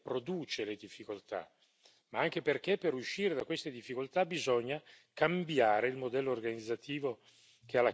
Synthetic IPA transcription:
pɾod̪uːt͡ʃeled̪ifːikolt̪a̰ | maaŋk̟eperkepːeɾuʃːiːɾed̪akwest̪ed̪ifːikolt̪abizɔɲːa | kambjaːɾeilmod̪ɛlːoːrɡanid̪zːat̪ʰiːvo | k̟ealːa

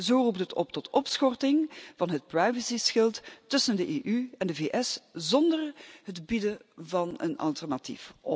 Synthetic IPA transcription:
zoːrupdətʰɔ̰p̚tɔtɔpsxɔrtɪŋv̥ɑnɦət̚prajvəsisxɪlˠttɵsəndəʔeːʔyɛndəveːʔɛszɔndərɦətbidəvɑnə̰nɑ̰lˠtɛrnatḭfʔɔ

